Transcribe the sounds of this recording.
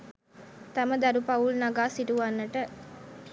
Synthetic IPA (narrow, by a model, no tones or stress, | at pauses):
t̪aməd̪aɾupaulnaɡaːsiʈuʋanːəʈə